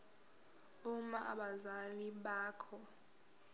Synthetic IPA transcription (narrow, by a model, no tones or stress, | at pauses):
umaʔa̰ɓazaliɓaːkʰɔ